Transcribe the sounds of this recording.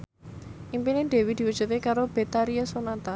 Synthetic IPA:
ʔimpineɖe̤wid̪̥i̤wud̥ʒ̥ṳt̪ekaɾob̥e̤t̪aɾiasonat̪a

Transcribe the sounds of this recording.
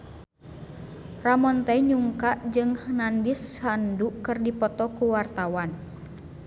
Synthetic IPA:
ramɔnt̪ɛɲuŋkaʔd͡ʒɨŋnandisanduʔkɨrdipɔt̪ɔkuwart̪awan

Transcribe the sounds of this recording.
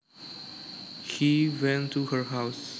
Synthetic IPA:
hiwɛ̃ntʰuhə˞ɦaʊs

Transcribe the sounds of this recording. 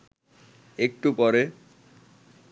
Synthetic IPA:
ek̚ʈupɔɾe

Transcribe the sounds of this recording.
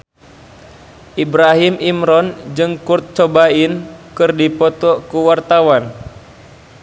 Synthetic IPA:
ʔibɾaɦimimɾɔnd͡ʒɨŋkurt̪̚t͡ʃɔbainkɨrdipɔt̪ɔkuwart̪awan

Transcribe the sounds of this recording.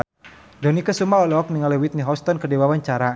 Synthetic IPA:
dɔnikəsumaɔlɔk̚niŋalɛwit̪̚niɦɔst̪ɔnkədiwawaɲt͡ʃaɾa

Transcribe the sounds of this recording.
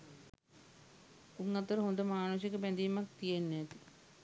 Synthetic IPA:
uŋːat̪əɾəɦond̪əmaːnus̬jekəpænd̪iːmak̚t̪ijenːæt̪i

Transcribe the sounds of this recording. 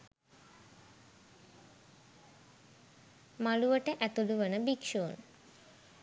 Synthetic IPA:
maluʋəʈəʔæt̪uluʋənəbikʃuːn

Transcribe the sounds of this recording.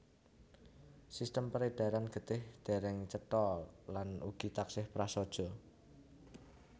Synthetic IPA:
sist̪əmpəɾed̪̥a̤ɾanɡ̥ə̤t̪ɪhd̪̥e̤ɾɛŋt͡ʃət̪ɔlanṵɡ̥i̤t̪aksɪhpɾasɔd̥ʒ̥ɔ̤

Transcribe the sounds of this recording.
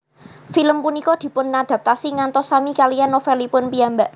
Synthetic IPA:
filəmpunikɔd̪̥i̤pʊnːad̪̥a̤p̚t̪asiŋant̪ɔsamikalijanofɛlipʊnpijambaʔ

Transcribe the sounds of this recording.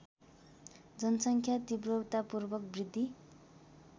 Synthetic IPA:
d͡zʌnʌsʌŋkʰjat̪ibrʌwt̪apurbʌk̚brid̪ʱːi

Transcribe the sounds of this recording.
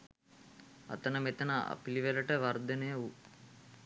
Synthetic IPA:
ɐ̰t̪ɐnəmet̪ɐnaa̰piliʋelɐʈəʋɐɾd̪ɐnejəu

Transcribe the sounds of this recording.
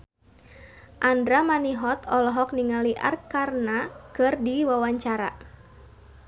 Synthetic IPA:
ʔandɾamaniɦɔt̪ɔlɔɦɔk̚niŋaliʔa̰rkarnakɨrdiwawaɲt͡ʃaɾa̰

